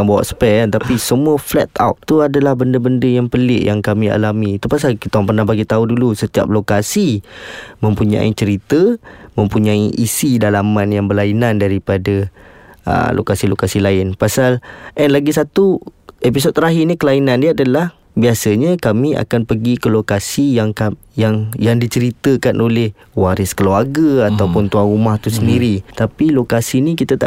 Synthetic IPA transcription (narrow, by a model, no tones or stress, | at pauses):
anbawa̰ʔsə̥pɛnt̪apisəmuəflɛ̰t̪a̰wt̪t̪uadalahbəndəbəndəjaŋpəlɪʔjaŋkamia̰lamit̪upas̬alkit̪ampərnahbaɡit̪audulusət̪ia̰p̚lokasi | mə̃mpuɲã̰it͡ʃəɾit̪əmə̃mpuɲaiʔisidalamanjaŋbəlainandaɾipada | ə̰lʔo̰kasilokasilaɪnpasalʔɛnlaɡis̬at̪uepis̬od̪t̪ːəɾaɦinikəlainãndiaadalah | biasəɲakamia̰kanpəɡikəlokasijaŋka | jaŋjaŋdit͡ʃəɾit̪əkanʔolɛh | waɾɪskəluaɡəat̪awpʊnt̪uanɾumaht̪usəndiɾit̪apilokasinikit̪at̪a̰